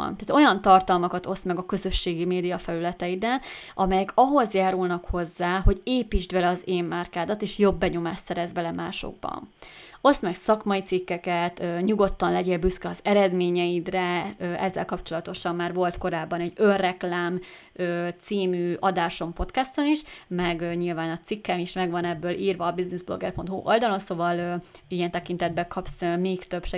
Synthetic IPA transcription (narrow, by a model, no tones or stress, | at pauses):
nt̪aːt̪o̞jɒnt̪ɒrt̪ɒlmɒkɒt̪o̞smɛɡɒkø̞zø̞ʃːeːɡimeːd̪ijɒfɛlylɛt̪ɛid̪ɛnʔɒmɛjɛkɒɦo̞zjaːɾulnɒkho̞zːaːɦo̞ɟeːpiːd͡ʒd̪bɛlɛɒzeːmːaːrkaːd̪ɒt̪eːʃjo̞bːɛɲo̞maːʃt̪sɛɾɛzbɛlɛmaːʃo̰ɡ̚bɒ̰no̞smɛksɒkmɒjit̪sikːɛkɛt̪øɲuɡo̞t̪ːɒnlɛɟeːlbyskɛɒzɛɾɛd̪meːɲɛjid̪rɛøʔɛzːɛ̰lkɒpt͡ʃo̞lɒt̪o̞ʃɒmːaːrvo̞lt̪ko̞ɾaːbːɒnɛɟːø̞nrɛklaːm | øːt̪siːmyːɒd̪aːʃo̞mpo̞t̪kɛst̪oniʃmɛɡɲilvaːnɒt̪sikːɛmiʃmɛɡvɒnɛbːøːlʔiːrvɒːbiznizblo̞̰ɡɛ̰rpo̞nt̪hṵʔo̞ld̪ɒlo̞nsovɒlijɛnt̪ɛkint̪ɛd̪̚bɛkʰɒpsmeːkt̪øpʃ